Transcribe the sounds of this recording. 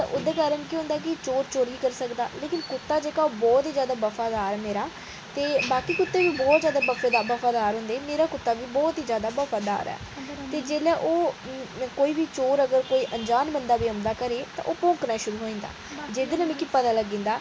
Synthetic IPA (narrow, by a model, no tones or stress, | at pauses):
t̪aʔʊd̪eːkaːɾənkiɦʊ̃ːnd̪aːkɪt͡ʃoːɾt͡ʃoːɾiːkəɾsəkd̪a̰ːleːkɪnkʊt̪ːaːd͡ʒeːkaːoːbɔːt̪iːzjaːd̪aːbəfʰaːd̪aːɾɛːmeːɾaː | t̪eːbaːkiːkʊt̪ːeːʋiːbɔːt̪zjaːd̪aːbəfʰad̪aːbəfaːd̪aːɾɦʊ̃nd̪eːmeːɾaːkʊt̪ːaːʋiːbɔːt̪ɦiːzjaːd̪aːbəfʰaːd̪a̰ːɾɛ̰ː | t̪eːd͡ʒeːlɛːʔoː | koːiːbiːt͡ʃoːɾəɡəɾkoːiːʔəɲd͡ʒaːnbənd̪aːbiːəmd̪aːkəɾeːt̪ã̰ʔoːpõːŋknaːʃʊɾuːɦoːĩːnd̪a̰ːd͡ʒeːd̪enəmĩːkɪpət̪aːləɡĩːnd̪aː